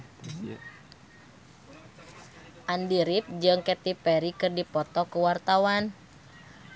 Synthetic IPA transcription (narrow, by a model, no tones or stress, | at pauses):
ʔandiɾip̚d͡ʒɨŋkɛt̪ipɛɾikɨrdipɔt̪ɔkəwart̪awan